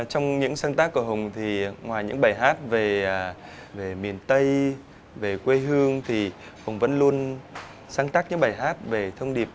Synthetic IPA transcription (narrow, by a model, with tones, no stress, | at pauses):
t͡ɕɔ˧wŋ͡mɲɨ̰˧˥ŋsaː˧ŋt̪aː˦˥kːu˧˩əɦə˨˩wŋ͡mt̪ʰi˨˩ŋwaː˨˩jɲɨ̰˧˥ŋɓaː˧˩jɦaː˦˥t̚veː˨˩˨ve˨˩mi˨˩ənt̪ə˧j | ve˨˩kwe˧ɦɨ˧əŋt̪ʰi˨˩hʊ˨˩wŋ͡mvə̰˧˥nlu˧ən | saː˧ŋt̪aː˦˥k̚ɲɨ̰˧˥ŋɓaː˧˩jɦaː˦˥t̚ve˨˩t̪ʰə˧wŋ͡mɗi˨˩əp̚